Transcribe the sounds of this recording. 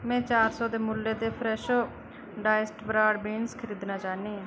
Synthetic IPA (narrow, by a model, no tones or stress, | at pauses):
mɛ̃ːt͡ʃaːɾsɔːd̪eːmʊlːeːd̪eːpʰɾɛːʃo | ɖaːɪsʈbɾaːɖbiːnskʰəɾiːd̪naːt͡ʃaːneːãː